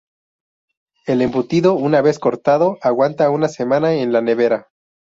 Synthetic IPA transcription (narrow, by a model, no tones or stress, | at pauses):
e̞le̞mbut̪iðo̞unaβe̞sko̞ɾt̪að̞o̞ʔaɣwant̪aunase̞mãnaenlane̞βe̞ɾa